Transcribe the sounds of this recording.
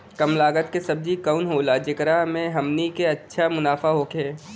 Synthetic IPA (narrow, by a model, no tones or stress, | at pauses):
kɐmlaːɡət̪kesɐb̚d͡ʒikəʊnɦoːlad͡ʒɪkɾamẽɦɐmnikeɐtːʃʰamʊnaːfaɦoːkʰeː